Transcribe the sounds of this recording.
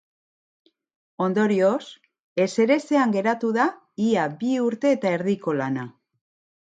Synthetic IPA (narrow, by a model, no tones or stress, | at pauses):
o̞nd̪o̞ɾio̞s | e̞se̞ɾe̞se̞aŋɡe̞ɾat̪uða | iabiuɾt̪e̞ːt̪ae̞ɾðiko̞lana